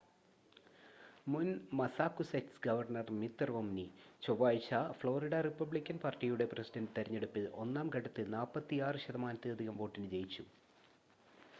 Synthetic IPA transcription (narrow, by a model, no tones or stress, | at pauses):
munmɐsaːkːuseksɡɐʋɐrnɐrmit̪ːrʋomnit͡ɕoʋaːjt͡ɕafloːriɽɐripːɐbɭikʲːɐnpaːrʈijuɽe̞prɐsidɐndɨt̪eɾɐɲːe̞ɽupːɨʔo̞nːaːmkɐɽɐt̪ːɨnaːpːɐt̪ːiaːrɨɕɐðɐmaːnɐt̪ːɨɐd̪ʱiɣɐmʋo̞ːʈːinɨt͡ɕe̞jit͡ɕːu